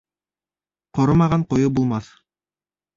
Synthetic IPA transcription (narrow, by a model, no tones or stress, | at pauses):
qŏɾɤmɑʁɑɴqojɤbulˠmɑθ